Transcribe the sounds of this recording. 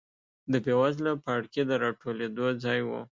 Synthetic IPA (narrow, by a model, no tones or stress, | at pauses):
d̪əpewazlapaɽked̪əɾɑʈoled̪od͡zɑjwṵ